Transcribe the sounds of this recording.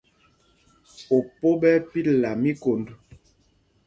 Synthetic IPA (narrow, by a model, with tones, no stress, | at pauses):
o˨po˦bɛ˦pi˦la˨mi˦ko˨ndo˨